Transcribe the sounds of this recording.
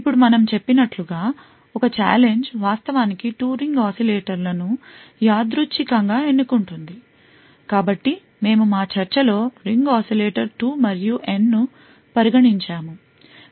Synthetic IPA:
ipːuɽumɐnɐmt͡ʃe̞pːinɐʈluɡaː | ɔkɐt͡ʃa̰ːle̞ɲd͡ʒʋaːst̪ɐʋaːnikiʈuːɾiŋɡaːsileːʈɐɾlɐnujaːd̪ɾut͡ʃːikɐŋɡaːe̞nːukuɳʈund̪i | kaːbɐʈːi | me̞ːmumaːt͡ʃɐɾt͡ʃɐlo̞ːɾiŋɡaːsileːʈɐɾʈuːmɐɾijuʔe̞nːu | pɐɾiɡɐɽiɲt͡ʃaːmu

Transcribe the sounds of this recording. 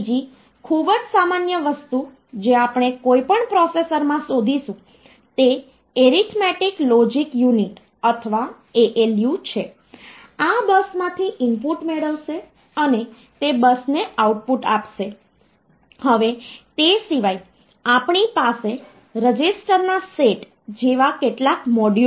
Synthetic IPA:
d͡ʒi | kʰubəd͡ʒsamanjəʋəst̪u | d͡ʒeapɳ̃ekoipəɳpɾɔsesəɾmãsod̪ʱiʃũ | t̪e | eɾit̪ʰmɛʈiklɔd͡ʒikjuniʈ | ət̪ʰəʋa | eʔeljut͡ʃʰe | abəsmãt̪ʰiʔɪmpuʈmeɭəʋʃe | əne | t̪ebəsneʔauʈ̚puʈa̰pʃe | həʋet̪esiʋai | apɳipase | ɾəd͡ʒisʈəɾnaseʈ | d͡ʒeʋakeʈlakmɔɖ

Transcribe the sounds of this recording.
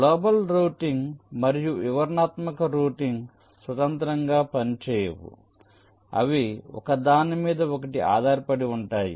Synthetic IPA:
ɡloːbɐlɾuːʈiŋɡmɐɾijuʔiʋɐɾnaːt̪mɐkɐɾuːʈiŋɡ | sʋɐt̪ɐnt̪ɾɐŋɡaːpɐnit͡ʃɛːjɐ̰wṵ | ɐ̰ʋiɔ̰kɐd̪aːnimiːd̪ɐɔkɐʈiʔa̰ːd̪ʱaːɾipɐɽiuɳʈaːjḭ

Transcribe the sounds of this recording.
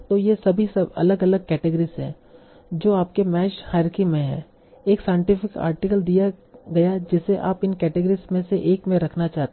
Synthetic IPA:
t̪oːjesɐbʱisɐbɐ̰ləɡɐləɡ̚kɛːʈeɡəɾisɦɛ̰̃ː | d͡ʒoːaːp̚kemɛːʃhaːɪɾkimẽɦɛ̰̃ː | eːksaːɪ̃ɳʈɪfɪka̰ːɾʈɪkəld̪ijaɡɐjad͡ʒɪseʔa̰ːpɪnkɛːʈeɡəɾismẽseʔeːkmẽɾɐkʰnat͡ʃaːɦt̪

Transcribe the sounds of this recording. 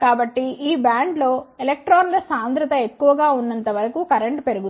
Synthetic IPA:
kaːbɐʈːiiːbjaːɳɖlo̞ːelek̚ʈɾoːnlɐsaːnd̪ɾɐt̪ɐe̞kːuʋɐɡaːunːɐnt̪ɐʋɐɾɐkuːkɐɾeɳʈpe̞ɾuɡu

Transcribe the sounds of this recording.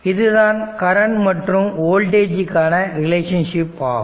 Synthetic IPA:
ɪðɯðaːnkɐɾɐnmɐʈrɯmoːlʈeːd͡ʒɪkːaːnɐɾɪleːʂɐnʂɪpːaː

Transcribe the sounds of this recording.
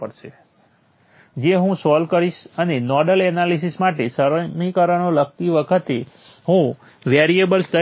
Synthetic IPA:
əɽʃe | d͡ʒeɦũsɔlkəɾiʃənenɔɖəlɛnalisismaʈesəɾəmikəɾənolək̚t̪iʋəkʰət̪e | ɦũ | ʋeɾiebəlst̪ə

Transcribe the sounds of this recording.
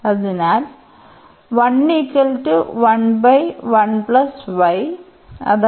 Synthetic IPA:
ɐðinaːl | ʋɐnːiːkːɐlʈuʋɐnbɐjʋɐnplɐsʋɐj | ɐ̰ð

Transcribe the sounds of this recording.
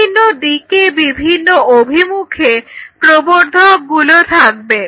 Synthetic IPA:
inːoɖikebibʱinːoʔobʱimukʰepɾoboɾd̪ʱok̚ɡulot̪ʰak̚be

